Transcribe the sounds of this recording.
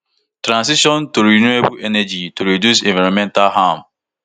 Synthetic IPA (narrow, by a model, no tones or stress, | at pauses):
tɾãns̬iʃɔntuɾinuebuʔenɛd͡ʒituɾidjusẽɱvaɾɔ̃mɛ̃ntalɦam